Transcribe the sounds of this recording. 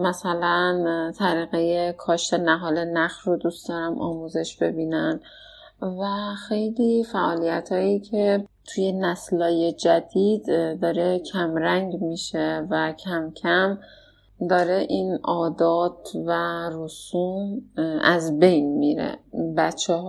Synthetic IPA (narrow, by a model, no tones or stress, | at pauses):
mæsælænt̪ʰæɾiːɣejekʰɒːʃt̪ʰenæɦɒːle̞næxʃɾod̪ust̪ɒːɾæmʔɒ̰ːmuːze̞ʃb̥e̞biːnæn | væxe̞jliːfæʔɒːlijæt̪ʰhɒːjiːcʰe̞t̪ʰujenæslɒːje̞d͡ʒæd̪̥iːd̪d̪ɒːɾe̞cʰæmɾæŋɟmiːʃe̞væcʰæmcʰæm | d̪ɒːɾe̞ʔinʔɒːd̪ɒːt̪væɾosuːmæzbe̞jnmiɾḛbæt̪t͡ʃʰːɛh